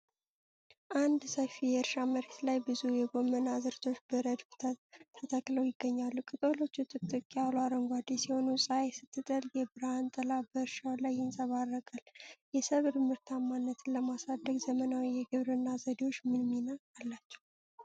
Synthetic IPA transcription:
ʔand̪səfijɛɨɾʃaməɾe̞t̪lajbɨzujɛɡo̞mːənazɨɾt̪ʰo̞t͡ʃːbəɾəd̪k̪ʰt̪ʰːət̪ʰəkʼləwjɪɡːəɲːalːukʼɨt̪ʼolo̞t͡ʃːut̪ʼɨt̪ʼːɨkʼjalaɾəŋɡʷad̪isiho̞nusʼaesɨt̪ʰːɨt̪ʼəljɛbɨɾant̪ʼəlabəɨɾʃawlajːɪnsʼəβarːəkʼaljɛsəβɨɾmɨɾt̪ʰamːanːət̪ʰɨləmasad̪ːəɡzəmənawijɛɡɨβɾɨnːazəd̪ewo̞t͡ʃːmɨnminaalːat͡ʃːɛ̥w

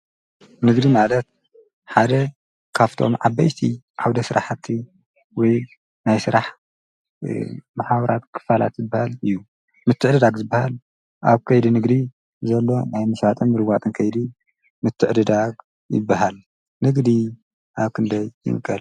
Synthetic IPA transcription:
nɨɡd̪imalɐt̪̚ | ħad̪ɐ | kʰaft̪ʰo̞̰mʕabːajt̪ʰi | ʕawd̪ɐsɨɾa̰ħt̪ʰːi | wɔj | najsɨɾaħ | maħaβɐɾat̪kʰɨ̥fala̰t̪zɨbːahalɨjːu | mɨt̪ʰːɨʕd̪ɨd̪aɡzɨbːahal | ʔa̰βkʰɐjd̪inɨɡd̪i | zɐlːo̞najmɨʃat̪ʼɨmːɨɾɨɡʷat̪ʼɨnkʰɐjd̪i | mɨt̪ʰːɨʕd̪ɨd̪aɡ | jɪ̰bːaɦal | nɨɡd̪i | ʔaβkʰɨnd̪ɐjːɨ̰mɨkʼːɐl

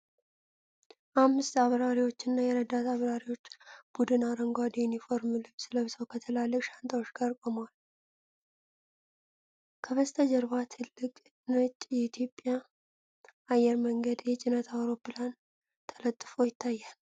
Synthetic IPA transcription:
ʔamːɨst̪aβɾaɾiwo̞t͡ʃːɪnːajɛɾəd̪at̪aβɾaɾiwo̞t͡ʃːb̥ud̪ɨnaɾəŋɡʷad̪junifo̞ɾmlɨβsɨləβsəwkʰət̪ʰəlalːəfʃant̪ʰʼawot͡ʃːɡəɾkʼomwal | kʰəβəst̪ʰəd͡ʒəɾβat̪ʰɨlːɨkʼ | nɨt͡ʃʼjɛit̪ʰjo̞pʼja | ajːɛɾməŋɡəd̪jɛt͡ʃʼɪnət̪ʰawɾo̞pːɨlan | t̪ʰə̥lət̪ʼːɨfojɪt̪ʰːajːal

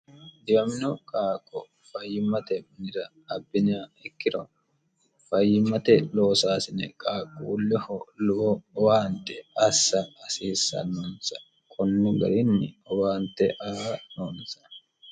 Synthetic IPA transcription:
d̪ɪwɐmɪnɔkʼaːkʼːɔ | fɐjːɪmɐt̪ɛmɐnɪɾɐːbːɪnaːɛkːɪɾɔ | fɐjːɪmːɐt̪ɛloːsaːsɪnɛ̰kʼaːkʼːulːɪhɔlʊbɔwaːnt̪ɛɐsːɐɐsiːsːɐ̰nɔnsɐ̥ | kʰɔnːʊɡɐ̰ɾɪnːɪɔwaːnt̪ɛʔɐanoːnsɐ̥

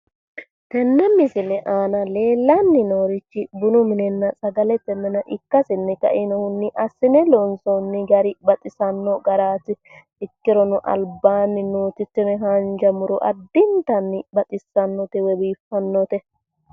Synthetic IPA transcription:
t̪ɛnːɛmːɪsɪlɛʔaːnɐle̞ːlːɐnːɪnoːɾɪt͡ʃːɪbʊnʊmɪnɛnːɐsʼɐɡɐlɛt̪ːɛmːɛnɐʔɪkːɐsɪnːɛkɐ̰ʔɪnɐhʊnːɪʔɐsːɪnɛlɔnsɔnːɪɡɐɾɪbɐt̪ʼɪsɐnːɔɡɐɾaːt̪ɪ | ɪkːɪɾɔnʊʔɐ̰lbaːnːɪnoːt̪ɪt̪ːɪnɛɦɐnd͡ʒɐmʊɾɔʔɐ̰d̪ːɪnt̪ɐnːɪbɐt̪ʼɪsɐnːɔt̪ɛwɛbiːfːɐnːɔt̪ɛ

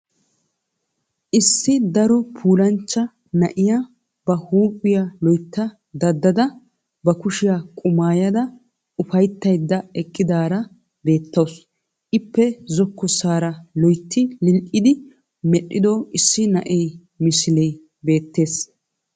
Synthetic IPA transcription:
ʔɪsːɪd̪ɐɾɔpʰuːlɐnt͡ʃːɐ | nɐʔɪja | b̥ɐhuːpʼːɪjalɔjt̪ːɐ | d̪ɐd̪ːɐd̪ɐ | bɐkʊʃɪjakʼʊmaːjɐd̪ɐ | ʊfɐjt̪ːɐjd̪ːɐɛkʼːɪd̪aːɾɐ | be̞ːt̪ːɐws | ʔɪpːɛzɔkːɔsaːɾɐlɔjt̪ːɪlɪlʔʼɪd̪ɪ | mɛɗːɪd̪ɔʔɪsːɪnɐʔɛj | mɪsɪlɛj | be̞ːt̪ːe̞ːs

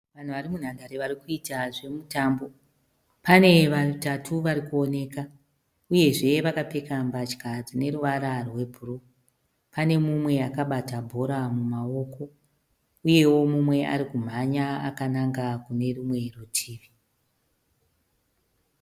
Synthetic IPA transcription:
ʋan̤uʋaɾimun̤andaɾiʋaɾikuitaʐe̞mutaːmbo̞ | pane̞ʋatatʰuʋaɾikuo̞ne̞ːka | uje̞ʐe̞ʋakape̞kambat͡ʃi̥kad͡zine̞ɾuʋaɾarwe̞bʱuro | pane̞mumwe̞akaɓatabʱo̞ɾamumao̞ko̞ | uje̞wo̞mumwe̞ʔa̰ɾikum̤aɲaːkanaŋɡakune̞rumwe̞rutʰiːʋi

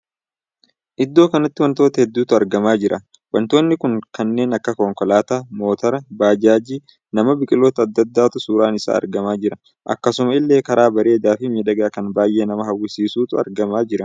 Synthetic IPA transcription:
ʔɪd̪ːo̞ːkɐnɐt̪ːɪwɐnt̪o̞ːt̪ɐhɛd̪ːuːt̪ʊɐɾɡɐmaːd͡ʒɪɾʔɐ | wɐnt̪o̞ːnːɪkʊŋkɐnːe̞ːnɐkːɐkɔŋkɔlaːt̪amo̞ːt̪ɐɾɐbaːd͡ʒaːd͡ʒiː | nɐmɐbɪkʼɪloːt̪ɐɐd̪ːɐd̪ːaːt̪ʊsuːɾaːnɪsa̰ːɐ̰ɾɡɐmaːd͡ʒɪɾɐ | ʔɐ̰kːɐsʊmɐɪlːe̞ːkɐɾaːbɐɾe̞ːd̪aːfɪmɛᶑɐɡaːkɐnbaːjʔe̞ːnɐmɐɦɐwʊsiːsuːt̪ʊɐ̰ɾɡɐmaːd͡ʒɪɾɐ

